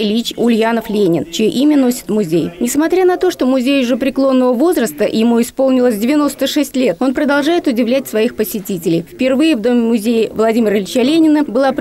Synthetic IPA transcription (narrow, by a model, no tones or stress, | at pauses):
lʲit͡ɕʊlʲjanəflʲenʲɪnt͡ɕɪjoʔimʲɪno̞sʲɪ̥t̪mʊzʲejnʲɪsmɐt̪ɾʲanɐt̪o̞ʂt̪o̞mʊzʲejʊʐɨpɾʲɪklˠo̞nːəvəvo̞zɾəst̪əjɪmuɪspo̞lˠnʲɪlˠəsʲdʲɪvʲɪno̞st̪əʂɛsʲtʲlʲe̞t̪o̞npɾəd̪ɐlˠʐajɪt̪ʊdʲɪvlʲætʲsvɐixpəsʲɪtʲitʲɪlʲɪjfʲpʲɪrvɨjɪvd̪o̞mʲɪmʊzʲejɪvlˠɐdʲimʲɪɾəlʲɪt͡ɕəlʲenʲɪnəbɨlˠap